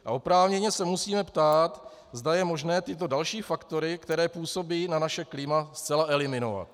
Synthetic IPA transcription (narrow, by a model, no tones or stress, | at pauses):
ʔa̰opɾaːvɲɛɲɛsɛmusiːmɛpt̪aːt̪ | zdajɛmo̞ʒnɛːt̪ɪt̪o̞dalʃiːfakt̪o̞ɾɪkt̪ɛɾɛːpuːso̞biːnanaʃɛklɪmast͡sɛlaʔɛlɪmɪno̞̰va̰t̪̚